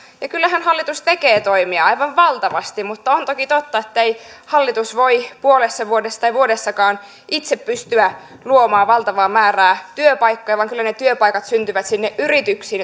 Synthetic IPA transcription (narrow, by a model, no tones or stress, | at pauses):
jɑkylːæɦænhɑlːit̪ust̪ekeːt̪oimiɑɑjʋɑʋʋɑlt̪ɑʋɑst̪imut̪ːɑont̪okit̪ot̪ːɑet̪ːei | hɑlːit̪usʋoipuolesːɑʋuodesːt̪ɑjʋuodesːɑkɑːn | ʔit̪seppyst̪yæ | luomɑːʋɑlt̪ɑʋɑːmæːræːt̪yøpɑijkːɑjʋɑːŋkylːænet̪yøpɑjkɑt̪synt̪yʋæt̪sinːeʔʔyrit̪yksiːn